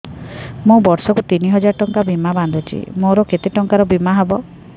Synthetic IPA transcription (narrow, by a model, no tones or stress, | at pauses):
mũbɔɾsɔkut̪iniɦɔd͡ʒaɾɔʈɔŋkabimaband̪ʱɔt͡ʃḭmoɾɔket̪eʈɔŋkaɾɔbimaɦebɔ